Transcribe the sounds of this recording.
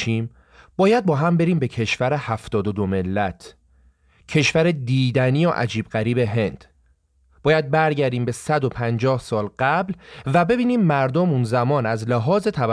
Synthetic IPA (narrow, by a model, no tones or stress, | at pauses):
iːm | b̥ɒːjæd̪̚bɒːɦæmbe̞ɾiːmbecʰe̞ʃvæɾehæft̪ɒːd̪od̪ome̞lːæt̪ʰ | cʰe̞ʃvæɾed̪iːd̪æniːjoʔæ̰d͡ʒiːb̚ɢæɾiːbe̞ɦe̞nd̪̥ | b̥ɒːjæd̪̚bæɾɟæɾd̪iːmbe̞sæd̪o̞pʰænd͡ʒɒːhsɒːlɢæblvæbe̞biːniːmːæɾd̪omunzæmɒːnæzlæɦɒːze̞t̪ʰæv